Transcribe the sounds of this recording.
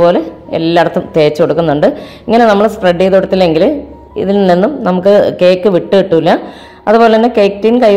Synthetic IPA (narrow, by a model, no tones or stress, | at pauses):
po̞ːle̞ḛlːaːɽɐt̪ːumt̪e̞ːt͡ɕːɨko̞ɽukːunːuɳɖɨiŋːɐne̞nɐmːɐɭspreɖːijðuɽɐt̪ːilːe̞ŋɡil | ḭðilninːumnɐmukːɨke̞ːkːɨʋiʈːɨʋiʈːuilːɐ | ɐðupoleɐnːeke̞ːktinkɐj